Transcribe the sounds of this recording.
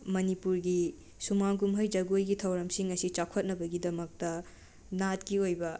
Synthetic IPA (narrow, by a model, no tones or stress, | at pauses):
mɐnipuɾɡi | sumaɡumɦɐjd͡ʒɐɡojɡitʰɐwɾɐmsiŋɐsit͡ʃakʰɐt̚nɐbɐɡidɐmɐk̚tɐ | nat̚kiojbɐ